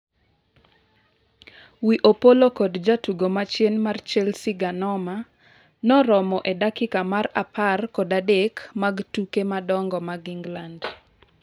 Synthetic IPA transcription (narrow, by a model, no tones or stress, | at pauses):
wiʔopolokɔdd͡ʒatuɡomat͡ʃjɛnmart͡ʃɛlsiɡanɔma | nɔɾɔmɔʔedakɪkamarapʰarkɔdadekmaɡtukemadɔŋɡɔmaɡiŋɡland